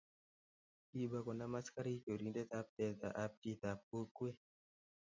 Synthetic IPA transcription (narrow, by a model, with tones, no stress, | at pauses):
i˦ba˦ko˨na˦ma˦ska˦ɾi˦t͡ʃo˨ɾi˦nde˦t̪a˦p̚tɛ˨t̪a̰˨ʔa˦p̚ti˦t̪a˨p̚o˦kwe˦